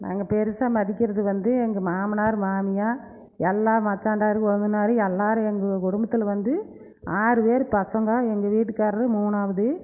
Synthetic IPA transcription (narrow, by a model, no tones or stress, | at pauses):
nʔa̰ːŋɡɐpɛɾɯsaːmɐðɪkːɪɾɐðɯʋɐnd̪ɯɛŋɡɐmaːmɐnaːɾmaːmɪjaː | ɛlːaːmɐt͡ʃːaːɳɖaːɾɯɔnɯnaːɾɯɛlːaːɾɯ̃ɛŋɡɐkʊɽʊmbɐt̪ːɪlʋɐnd̪ɯ | aːɾɯpeːɾɯpɐsɐŋɡaːɛŋɡɐʋiːʈːɯkːaːɾɐɾɯmuːnaːʋɐðɯ